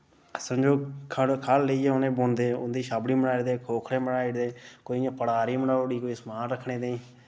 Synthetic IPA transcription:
səmd͡ʒoːkʰəkʰalːəiːeːʊnẽːboːnd̪eːʊ̰nd̪iːʃaːbɽiːməɽaːid̪eːkʰoːkʰɽeːməɽaːiɽd̪eːkoːiãːpəɽaːɾiːməɳaːɽiːkoːiːsmaːnɾəkʰːɳẽːd̪ẽĩː

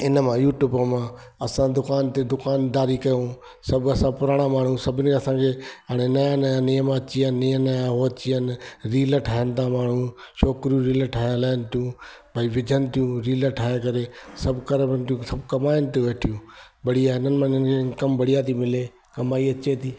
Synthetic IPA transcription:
ɪnəmãjuːʈjuːbəmã | ɐsãd̪ʊkaːnt̪ed̪ʊkaːnd̪aːɾikɐjõ | sɐbʱɐsãpʊɾaːɽ̃amaːɳ̤ũsɐbʱɪnɪ̆kʰeɐsãkʰeɦaːɽ̃enɐjãnjãnijəmaɐt͡ɕiənnijənajãɦoːt͡ɕiənɪɾiːləʈʰaːɦənɪt̪amaːɳ̤ũʃɔːkɾijũɾiːləʈʰaːãlaːənɪt̪ijũ | bʱaːiʋɪd͡ʑʱənɪ̆t̪ijũɾiːləʈʰaːɦẽkɐɾesɐbʱkɐɾəbənɪt̪ijũsɐbʱkɐmaːɪnɪt̪̬eʋeːʈʰijũː | bʱɐɽ̤ijaɪnənɪ̆mãɪnənkʰekɐmbʱɐɽijat̪ʰimɪle | kɐmaːiɐt͡ɕet̪ʰiː

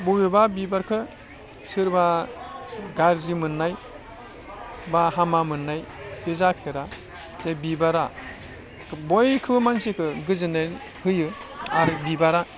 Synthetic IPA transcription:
buɡebabibaɾkʰɯ | sɯɾba | ɡaɾzimɯnːaj | baɦamamɯnːajb̥ezapʰeɾa | zabibaɾa | bɔjkʰɯbɯmansekʰɯɡɯzɯna | hɯjɯaɾbibaɾa

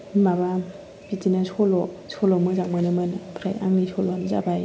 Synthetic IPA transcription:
maba | bitinasɔlɔsɔlɔmɯzak̚manɯmɯnpʰɾaja̰ŋnisʰɔlɔanza̰baj

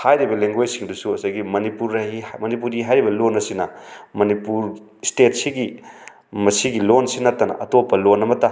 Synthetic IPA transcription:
hajɾibɐleŋɡojsiŋdusuɐsaɡimɐnipuɾːɐɦimɐnip̬uɾiɦajɾibɐlonːɐsinɐmɐnipuɾ | stet̚siɡi | mɐsiɡilonsinɐtːɐnɐ̰ʔɐtopːɐlonːɐmɐtɐ

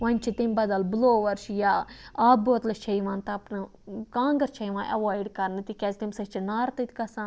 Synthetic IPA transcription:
ʋɐnʲt͡ʃʰit̪imʲbɐd̪ɐlbloːʋɐɾʃjaːaːboːt̪lɐt͡ʃʰɐiʋãːnt̪ɐɐpnɨ | kãːŋɡɐɾt͡ʃʰɐiʋãːnʔɐ̰ʋaːjɖkɐɾnɨt̪ikʲɛzt̪imsɐt͡ʃʰinaːɾt̪ɐt̪ʰʲikɐsãː

